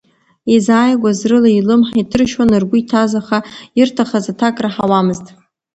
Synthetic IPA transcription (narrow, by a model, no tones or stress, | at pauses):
izaːjɡʷazrɨlailɨmħaitʰɨrʃwanɨrɡʷʊitʰazaχairtʰaχazatʰakʼraħawamɨztʼ